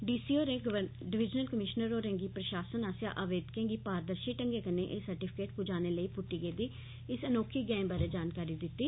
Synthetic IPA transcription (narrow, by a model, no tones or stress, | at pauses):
ɖiːsiːoːɾẽːɡʋə | ɖɪʋɪd͡ʒnəlkəmɪʃnəɾoːɾẽːŋɡiːpɾəʃaːsənaːsja̰ːʔaːʋeːd̪kẽːŋɡiːpaːɾd̪əɾʃiːʈəŋɡeːkəneːʔeːsəɾʈɪpʰɪ̥keːʈpud͡ʒaːneːləiːpʊʈːiːɡeːd̪iː | ɪsənoːkʰiːɡɛ̃ːmbaːɾeːd͡ʒaːnkaːɾiːd̪ɪt̪ːiː